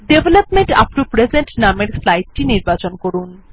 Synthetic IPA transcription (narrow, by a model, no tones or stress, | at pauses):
ɖebʱelapmeɳʈa̰pnupɾed͡ʑeɳʈnameɾslajʈ̚ʈiniɾbat͡ɕonkoɾun